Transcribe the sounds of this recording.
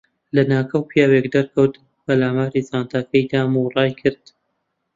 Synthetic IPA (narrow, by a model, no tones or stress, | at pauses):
lɐnaːkʰɐwpʰjaːwekd̪ɐɾkʰɐwt̪ | pɐlaːmaːɾizaːnt̪aːkɐjd̪aːmurˤɑːjkʰɨɾd̪̥